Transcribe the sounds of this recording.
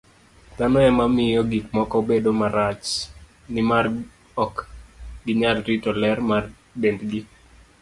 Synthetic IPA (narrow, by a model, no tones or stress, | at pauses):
t̪anɔɛmamɪjɔɡikmɔkɔbedomaɾat͡ʃ | nɪmar | ɔkɡɪɲalɾitɔlɛrmar | dendɡi